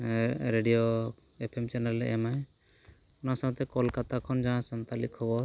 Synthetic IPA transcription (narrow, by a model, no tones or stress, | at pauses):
ɾeɖijo | epʰemt͡ʃanalːɛ̰ʔɛmaj | unasɔ̃ŋɔt̪ɛkɔlkat̪akʰɔnd͡ʒaãsant̪alikʰɔbɔɾ